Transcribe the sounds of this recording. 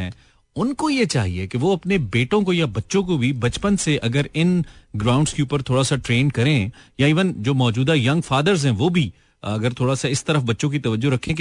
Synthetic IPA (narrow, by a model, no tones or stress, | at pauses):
ɛ̰̃ː | ʊnkojet͡ʃa̰ːɦiekeʋoɐpnebeːʈõkojabɐtːʃõk̬obʱibɐt͡ʃpənseʔɐɡəɾɪnɡɾãːʊ̃ɳɖskeuːpəɾt̪ʰoːɽasaʈɾeːnkɐɾẽjaiːʋənd͡ʒoːmɔːd͡ʒuːd̪ajɐ̃ŋɡfaːd̪əɾzɦɛ̃ːʋobʱi | ɐɡəɾt̪ʰoːɽasaɪst̪ɐɾəfbɐtːʃõk̬it̪ɐʋəd͡ʒːoɾɐkʰːẽk